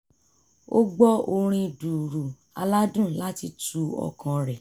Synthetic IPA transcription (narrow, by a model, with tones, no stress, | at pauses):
o˦ɡ͡bɔ˦o˧ɾ̃ĩ˧du˨ɾu˨ | a̰˧la˦dũ˦˨la˦ti˧tu˧ɔ̰˧˨kʰã˨ɾɛ˨